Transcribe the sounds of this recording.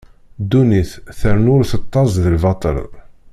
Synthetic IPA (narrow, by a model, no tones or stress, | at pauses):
d̪uniθθəɾənʊɾθət̪ˤːɑzðəlvɑt̪ˤə̰ɾ